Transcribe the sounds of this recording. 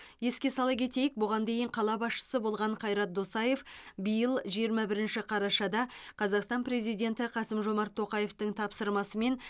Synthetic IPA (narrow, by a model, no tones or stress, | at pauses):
je̞skʲe̞sɑlˠɑkʲʰe̞t̪e̞jɪk̚bʊʁɑnd̪e̞jɪɴqʰɑlˠɑbɑsʃə̥səbo̞lˠʁɑɴqʰɑjɾɑt̪̚d̪o̞sɑje̞fbijəlˠʒijəɾmɑbɪɾɪnʃɪqʰɑɾɑʃɑd̪ɑqʰɑzɑqst̪ɑnpɾe̞zijd̪ʲe̞nt̪ɪqʰɑsəmʒo̞mɑɾt̪ʰːo̞qɑje̞ft̪əŋt̪ʰɑpsəɾmɑsəme̞n